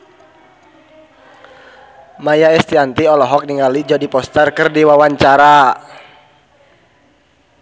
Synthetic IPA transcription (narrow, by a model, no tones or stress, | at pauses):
majaɛst̪iant̪iɔlɔɦɔk̚niŋalid͡ʒɔdipɔst̪ərkərdiwawaɲt͡ʃaɾa